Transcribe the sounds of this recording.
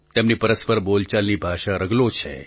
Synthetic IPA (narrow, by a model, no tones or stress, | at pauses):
t̪emnipəɾəspəɾbolt͡ʃalnibʱaʃaɾəɡlot͡ʃʰḛ